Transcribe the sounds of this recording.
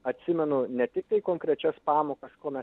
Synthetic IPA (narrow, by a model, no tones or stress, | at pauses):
ɐt̪ʲsʲɪmʲɛnʊnʲɛt̪ʲɪk̚t̪ɐɪkoːŋkɾʲɛt͡ʃʲɛspɑːmoːkɐskoːmʲɛs